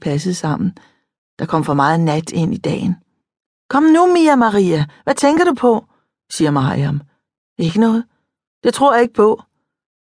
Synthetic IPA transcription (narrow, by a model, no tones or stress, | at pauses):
pʰæs̬əð̩ˠsɑ̈m̰n̩ | d̥ɑ̈kʰɒ̽m̰fɒ̽mɑ̈ːð̩ˠnæd̥e̝n̰id̥ɛ̰ːn | kʰɒ̽m̰numiæmɑʁiːæʋæt͡sʰeŋ̰ɡ̥ɐɾ̥upʰɒ̽ | siːɐmɑ̈iæm | e̝ɡ̥ənɔ̽ːð̞̩ˠ | d̥e̝t͡sʰʁo̝ɐ̰jɑ̈e̝ɡ̥ə̥pʰɒ̽